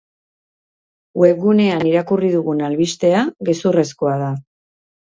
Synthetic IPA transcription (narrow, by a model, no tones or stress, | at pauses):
we̞k̚ɣune̞aniɾakuriðuɣunalβist̪e̞aɣesure̞sko̞að̞a